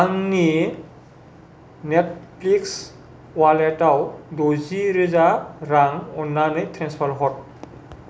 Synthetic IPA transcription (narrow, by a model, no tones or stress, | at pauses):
aŋni | net̚ʰpliks | walɛtawdoziɾezaɾaŋɔnːanɯjtʰɾɛnspʰɔɹɦɔt̚